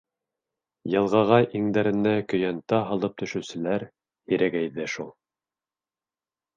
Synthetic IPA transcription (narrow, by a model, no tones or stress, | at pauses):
jɤ̆lˠʁɑʁɑʔiŋd̪æɾɘ̆nːækɵ̆jænt̪ɑɦɑlˠɤp̚t̪ʰɵ̆ʃɵ̆wsɘ̆læɾ | hiɾæɡæjðɘʃulˠ